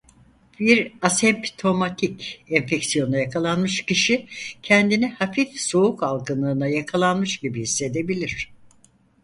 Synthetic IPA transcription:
biɾasɛmpt̪ʰo̞mat̪ʰicɛnfɛcsijo̞nujakʰalˠanmɯʃciʃicʰɛnd̪inɛhafifso̞ukalˠɡɯnˠɯːnajakʰalˠanmɯʃɟibihisːe̞d̪e̞bilʲiɾ̝̥

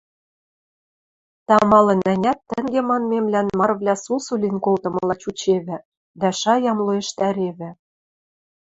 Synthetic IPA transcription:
t̪ɑmɑlɤ̆nænʲæt̪ːɘ̆ŋɡemɑnmemlʲænmɑrβlʲæsusulʲinkolt̪ɤ̆mɤ̆lˠɑt͡ɕut͡ɕeβɘ̆ | d̪æʃɑjɑmlˠoĕʃt̪æɾeβɘ̆

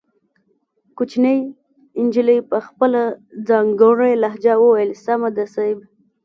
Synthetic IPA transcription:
kut͡ʃnəj | ɪnd͡ʒiləjpəxpəlad͡zɑŋɡoɾejlaɦd͡ʒawoelsamad̪asab

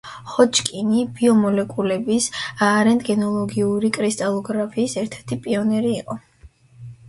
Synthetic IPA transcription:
χɔt͡ʃʰʼkʼinibiɔmɔlɛkʼulɛbisaːɾɛnt̪ʼɡɛnɔlˠɔɡiuɾikʼɾist̪ʼalˠɔɡɾapʰiːsɛɾt̪ʰɛɾt̪ʰipʼiɔnɛɾiːqʼɔ

